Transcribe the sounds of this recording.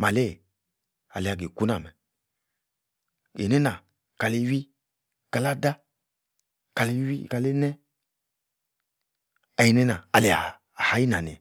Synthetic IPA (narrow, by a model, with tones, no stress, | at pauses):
ma˨le˦˨ | a̰˨le˨a˨ɡe˨ku˦na̰˨mɛ˨ | ḛ˨nɛ˦na˨ | ka˨le˧˦wi˦˨ | ka˨la˦da˦ | ka˨le˦wi˦˨ka˨le˦nɛ˦ | a˨ji˨nɛ˦na˨a˨le˨a̰ː˨ | ha˨˦ji˦na˨nḛ˨